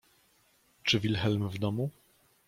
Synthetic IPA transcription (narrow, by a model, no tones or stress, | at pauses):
t͡ʂɘvʲilxɛlmvd̪ɔmu